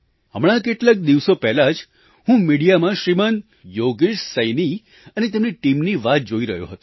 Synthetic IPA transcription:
ɦəmɭ̃ãk̬eʈlak̚d̪iʋsopɛɦlad͡ʒ | ɦũmiɽijamãʃɾimən | joɡiʃsəjni | ənet̪emniʈimniʋat̪̚d͡ʒoiɾəɦjo̰ɦət̪o

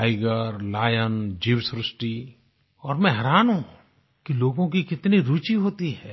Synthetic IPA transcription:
aɪɡəɾlaːjənd͡ʒiːʋsɾɪsʈi | ɔːɾmɛ̃ɦɐɾaːnɦũ | kiloːɡõkikɪt̪niɾuːt͡ʃiɦoːt̪iɦɛː

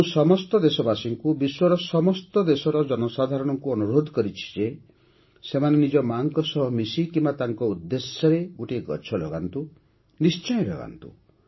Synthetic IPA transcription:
ũsɔmɔst̪ɔd̪esɔbasiŋkubiswɔɾɔsɔmɔst̪ɔd̪esɔɾɔd͡ʒɔnɔsad̪ʱaɾɔɽ̃ɔŋkuɔnuɾod̪ʱɔkɔɾit͡ʃʰi̥d͡ʒe | semanenid͡ʒɔmaŋkɔsɔɦɔmisikimbat̪aŋkɔud̪ːesjɔɾeɡuʈiɡɔ̰t͡ʃʰɔlɔ̰ɡa̰nt̪u | nist͡ʃɔjɔlɔ̰ɡa̰nt̪ṵ

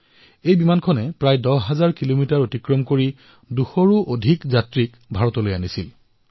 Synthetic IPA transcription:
ejbimankʰɔnɛpɹajdɔɦazaɹkilomitaɹotikɹɔmkoɹi | duxɔɹuʔodʱikzatɹik | bʱaɹɔtɔlojanisil

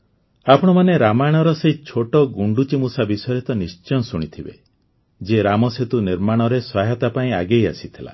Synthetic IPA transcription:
apɔɽ̃ɔmaneɾamaɽ̃ɔɾɔseit͡ʃʰoʈɔɡuɳɖut͡ʃimusabisɔjɾit̪ɔnist͡ʃɔnɔsuɽ̃it̪ʰibḛ | d͡ʒeɾamɔset̪uniɾmaɽ̃ɔɾesaɦjat̪apaĩa̰ɡeja̰sit̪ʰila̰

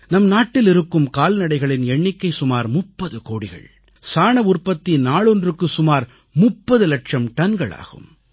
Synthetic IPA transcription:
nɐmnaːʈːɪlɪɾɯkːɯmkaːlnɐɽɐɪɣɐɭɪnɛɳːɪkːɐɪsʊmaːɾmʊpːɐðɯkoːɽɪɣɐ̰ɭ | saːɳɐʊrpɐt̪ːinaːɭɔndrɯkːɯsʊmaːɾ | mʊpːɐðɯlɐʈʂɐmʈɐnɡɐɭa̰ːɣɯ̰m

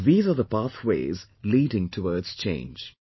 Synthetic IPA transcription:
ðiːzəðəpaθweɪz | liːdɪ̃ŋtʰəwɔːdz̥t͡ʃʰḛ̃ɪ̃nd͡ʒ

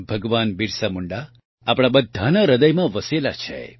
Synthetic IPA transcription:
bʱəɡʋanbiɾsamuɳɖa | apɽ̃abəd̪ʱːanaɾəd̪əjmãʋəsela̰t͡ʃʰḛ

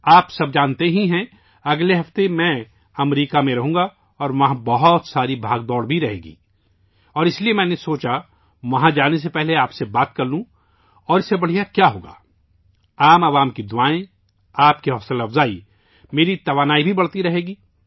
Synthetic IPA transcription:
aːpsɐb̚d͡ʒaːnt̪eɦĩɦɛ̃ | ɐɡleɦɐft̪emɛ̃ | ɐmɾiːkamẽɾɐɦũːŋ̆ɡa | ɔːɾʋɐɦãbɐɦɔt̪saːɾibʱaːɡ̚d̪ɔːɽbʱiɾɐɦḛːɡḭː | ɔːɾɪsliemɛ̃ːnesoːt͡ʃa | ʋɐɦãd͡ʒaːnes̬epɛɦleaːpsebaːt̪kɐɾlũ | ɔːɾɪsːebɐɽ̤ijakjaːɦoːɡa̰ː | aːmɐʋaːmkid̪ʊaːẽ | aːp̚kiɦɔːsəlɐfzaːi | meːɾit̪ɐʋaːnaːibʱibɐɽ̤t̪iɾɐɦeːɡiː

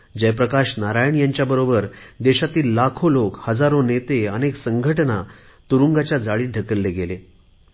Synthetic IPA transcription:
d͡ʑepɾəkaɕnaɾajəɳjaɲt͡ɕjabəɾobəɾd̪eɕat̪iːlːakʰolokhəd͡zaɾonet̪eəneksəŋɡʱəʈna | t̪uɾuŋɡat͡ɕjad͡zaɭiːɖʱəkəlːeɡele

